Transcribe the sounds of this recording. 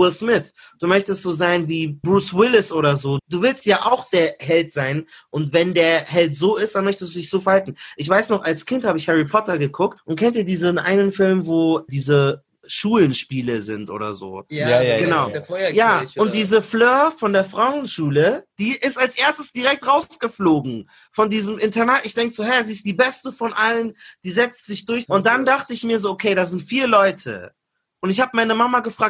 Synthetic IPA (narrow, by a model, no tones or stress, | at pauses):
ɪlsmɪθ | d̥uːmœçtəstz̥oːzaɪnviːbʁuːswɪlɪsʔoːɾɐzoːd̥uːvɪlstjaːʔaʊxd̥eːɐɦɛltz̥aɪn | ʔʊntvɛndeːɐhɛltz̥oːɪstd̥anmœçtəstd̥uːdɪçz̥oːfɛɐhaltn̩ʔɪçv̥aɪsnɔχʔalskʰɪnthaːbəɪçhɛʁipʰɔtɐɡəkʰʊk̚tʔʊntkʰɛntdiːɐdiːzənʔa̰ɪnənfɪlmvoːdiːzə | ʃuːlənʃpiːləzɪntʔo̰ːɾɐ̰zo̰ːɡ̥ənaʊjaːʊnt̚d̥iːzəfløːɐfɔndeːɐfʁ̥aʊnʃuːləd̥iːʔɪstalsʔeːɐstəsd̥iʁɛk̚tʁaʊsɡ̥əfloːɡŋ̩ | fɔndiːzəmʔɪntʰɛnatɪçd̥ɛŋkəz̥oːɦɛɐziːɪst̚d̥iːbɛstəfɔnʔalənd̥iːzɛt͡stz̥ɪçd̥ʊɐçʔʊnt̚d̥andaχtəɪçmiːɐzoːʔokʰeɪɾaːzɪntfiːɐlɔʏtʰə̰ | ʔʊntɪç̬haːbəmaɪnəmamaɡəfʁ̥aːk̚t